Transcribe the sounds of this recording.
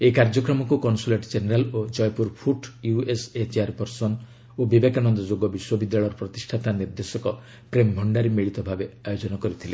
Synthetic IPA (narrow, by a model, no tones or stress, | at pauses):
ekaɾd͡ʒɔkɾɔmɔkukɔnsuleʈd͡ʒeneɾalod͡ʒɔjpuɾpʰuʈjueset͡ʃeaɾpɔɾsɔn | obibekanɔnd̪ɔd͡ʒoɡɔbiswɔbid̪jaɭɔjɾɔpɾɔt̪isʈʰat̪aniɾd̪esɔkɔ | pɾembʱɔɳɖaɾemiɭit̪ɔbʱabeajod͡ʒɔnɔkɔɾit̪ʰile